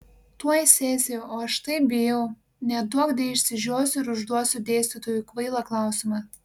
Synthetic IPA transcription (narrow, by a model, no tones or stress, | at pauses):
t̪uɔjɪsʲeːsʲɪjɛoːɐʃt̪ɐɪp̚bʲɪjɛʊ | nʲɛd̪uɔkd̪ʲɛɪʃʲsʲɪʒʲuːsʲʊɪɾʊʒd̪uɔsʲʊd̪ʲeːsʲt̪ʲɪt̪oːjukʋɐɪlˠɐklˠɑˑʊsʲɪmɑ